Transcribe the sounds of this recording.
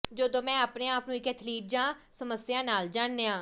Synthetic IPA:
d͡ʒəːd̪õːmɛ̃ːaːpneːaːpnũːɪkɛːt̪ʰliːʈ̚d͡ʒãː | səməsːɪjãːnaːld͡ʒaːnːeːãː

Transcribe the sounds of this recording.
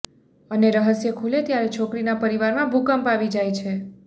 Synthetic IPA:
əneɾəɦəsjəkʰulet̪jaɾet͡ʃʰokɾinapəɾiʋaɾmãbʱukəmpaʋid͡ʒajt͡ʃʰe

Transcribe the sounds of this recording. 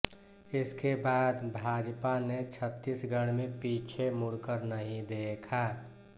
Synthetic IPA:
ɪskebaːd̪bʱaːd͡ʒpanet͡ʃʰət̪ːisɡʱəɽ̃mẽpiːt͡ʃʰemʊɽkəɾnəɦĩd̪eːkʰaː

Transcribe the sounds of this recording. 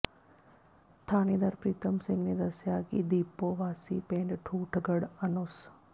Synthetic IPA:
t̪ʰaːned̪aɾpɾiːt̪əmsɪ̃ŋɡned̪ɐsjakid̪iːpoʋaːsipẽːɳɖʈʰuːʈʰɡəɽɐnʊs

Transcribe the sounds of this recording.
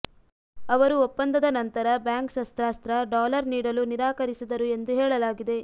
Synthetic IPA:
ɐʋɐɾuopːɐnd̪ɐd̪ɐnɐnt̪ɐɾɐbjaːŋksɐst̪ɾaːst̪ɾɐɖaːlɐɾniːɽɐluniɾaːkɐɾisid̪ɐɾue̞nd̪uɦɛːɭɐlaːɡid̪e̞

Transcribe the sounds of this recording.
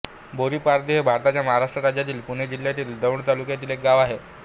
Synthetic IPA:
boɾiːpaɾd̪iɦebʱaɾt̪at͡ɕjaməɦaɾaʂʈɾəɾad͡ʑjat̪̬iːlpuɽ̤̃ed͡ʑiljat̪iːld̪əʋɳt̪alukjat̪̬iːlek̚ɡaʋaɦe

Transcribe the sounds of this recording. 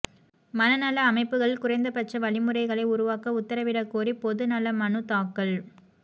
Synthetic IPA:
mɐnɐnɐlɐːmɐɪpːɯɣɐɭkʊrɐɪnd̪ɐpɐʈt͡ʃːɐʋɐɭɪmɯrɐɪɣɐɭɐɪʊɾʊʋaːkɐʊt̪ːɐɾɐʋɪɽɐkːoːɾipɔðɯnɐlɐmɐnɯt̪aːkːɐɭ

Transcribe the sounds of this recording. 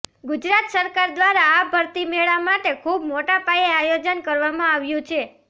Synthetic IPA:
ɡʊd͡ʒɾat̪səɾkaɾd̪ʋaɾaːbʱəɾt̪imeɭamaʈekʰubmoʈapajeajod͡ʒənkəɾʋamãaʋjũt͡ʃʰe

